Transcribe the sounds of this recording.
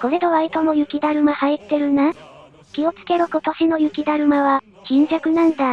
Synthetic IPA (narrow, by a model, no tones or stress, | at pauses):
ko̞ɾe̞d̪oβait̪omo̞jɯ̟kʲid̪aɾɯ̟mahait̪ːe̞ɾɯ̟na | kʲio̞t͡sɨ̥ke̞ɾoko̞t̪o̞ɕino̞jɯ̟kʲid̪aɾɯ̟maβa | kʲĩɲ̟d͡ʑakɯ̟nãnd̪a